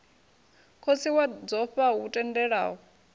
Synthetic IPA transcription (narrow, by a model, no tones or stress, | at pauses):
kʰot͡sʰiwad͡zɔɸautʼɛndɛɺa̰ːɦɔ